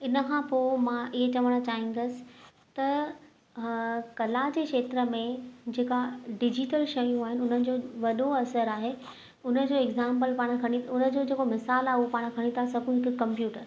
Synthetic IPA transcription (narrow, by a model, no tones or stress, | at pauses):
ɪnəkʰãpoːmãʔɪɦet͡ɕɐʋəɽ̃ot͡ɕaːɦĩŋ̆ɡəsɪ̥̆ | t̪ɐ | kɐlad͡ʑekʃeːt̪ɾəmẽd͡ʑeːkaɖɪd͡ʑɪʈəlʃɐjũaːɦɪnɪʊn̤ənɪ̆d͡ʑoːʋɐɗoɐsəɾaːɦe | ʊnə̆d͡ʑoːɛɡzãːmpəlpaːɽ̃kʰɐɽ̃iʊnə̆d͡ʑoːd͡ʑeːkomɪsaːlaːupaːɽ̃kʰɐɽ̃ĩt̪ʰasɐbʱũɦɪkkːɐ̃mpjuːʈəɾ